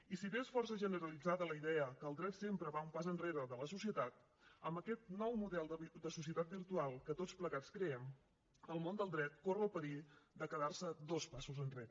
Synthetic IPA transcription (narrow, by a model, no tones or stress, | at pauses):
isiβesfɔrsəʒənəɾəlid͡zaðələiðɛəkəlˠd̪ɾɛt̪sempɾəβaumpazənreɾəðələsusiət̪at̪ | əmbəkɛt̪̚nɔwmuðɛlˠd̪əd̪əsusiət̪at̪̚biɾt̪ualˠkət̪ott͡spləɣat͡skɾɛɛm | əlˠmond̪əlˠd̪ɾɛt̪̚korəlˠpəɾid̪əkəðarsəd̪ospasuzənreɾə